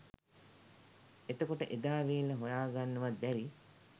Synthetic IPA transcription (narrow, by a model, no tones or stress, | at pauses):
et̪əkoʈəʔed̪aːʋiːlːəɦojaːɡanːəʋad̪bɛɾi